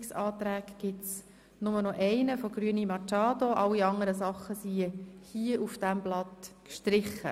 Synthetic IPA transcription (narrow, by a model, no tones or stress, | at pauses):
ksɑːt̪ɾæːkɡ̥ɪts | nʊmənɔʔɛɪnəfoɡ̥ɾyənimɑt͡ʃɑːd̪oʔɑlːiɑŋəɾəsɑχːəsihiəʔufd̥æmblɑt̪kʃtɾɪχːə̰